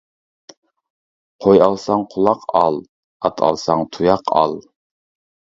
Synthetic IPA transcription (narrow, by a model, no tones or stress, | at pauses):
qʰojɑlˠsɑŋqʰʊlˠɑqʰɑlˠ | ɑt̪ʰɑ̰lˠsɑŋt̪ʰujɑqʰɑ̰lˠ